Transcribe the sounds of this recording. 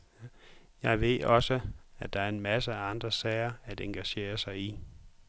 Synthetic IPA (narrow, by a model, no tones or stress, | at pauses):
jɑ̈ɪʋe̝ð̰ˠɒ̽səæd̥ɑ̈æɐe̝nmæsəæɑ̈nd̥ʁɐsɛɪɐæd̥eŋɡ̥æɕe̝̰ːɐsɑ̈ɪi